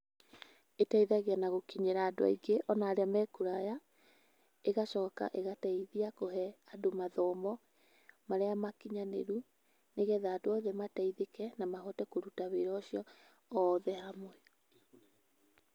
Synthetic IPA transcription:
etaiðaɣeanaɣokiɲeɾaːdoa̰iɡeʔɔnaːɾeamɛkuɾaja | eɣaʃɔːka̰ʔeɣataiðiakoɦɛadomaðɔmɔ | maɾeamakiɲanḛɾu | neɣɛðaːdoɔðɛmataiðekɛnamahɔtɛkoɾutaβeɾɔːɕjɔː | ðɛhamwɛ

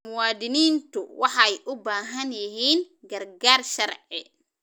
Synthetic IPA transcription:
mʊwaːd̪ɪniːnt̪ʰʊwɑħɑɛjʔʊbaːɦɐnjɪɦiːn | ɡɐrɡaːrʃɐrʕɪ

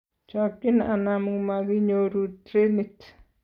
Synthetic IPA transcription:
t͡ʃakinʔanamuŋmaɡiɲoɾut̪ɾenit̪

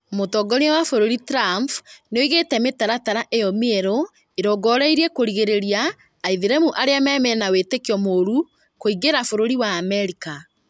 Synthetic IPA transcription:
motɔɡɔneawafoɾoɾitɾamfneoiɣetɛmetaɾataɾaʔejɔmeeɾo | eɾɔɡɔɾɛiɾiɛkoɾiɣeɾeɾiaː | iðeɾɛmuʔaɾeamɛmɛnawetekiɔmoːɾu | koiɣeɾafoɾoɾiwaːmɛɾika

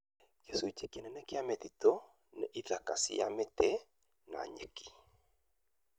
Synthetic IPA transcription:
jesuit͡ʃekenɛnɛkɪamɛt̪it̪o | nɛʔiðakasɪ̰ja̰mɛt̪e | na̰ɲḛki̥

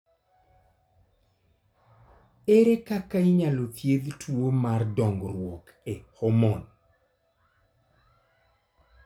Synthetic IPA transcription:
eɾekakaiɲalot̪jeðtwomardɔŋɡɾwɔk | ehɔmɔn

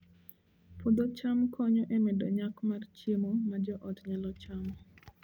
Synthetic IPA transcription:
pud̪ɔt͡ʃamkʰɔɲɔʔemedoɲakmart͡ʃemomad͡ʒɔʔɔtɲalɔt͡ʃamɔ

